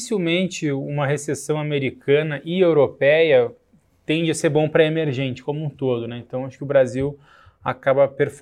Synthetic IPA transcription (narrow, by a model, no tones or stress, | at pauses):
siwmẽnt͡ʃɪũmɐɦesesɐ̃w̃ameɾikʰɐ̃nɐʔɪewɾopɛjɐ | t̪ẽnd͡ʒɪaseɾbõw̃pɾɐemeɾʒẽnt͡ʃɪ̥kõmũt̪od̪ʊnɛẽt̪ɐ̃w̃aʃʊ̥kɪʊbɾaziw | a̰kabɐpeɾf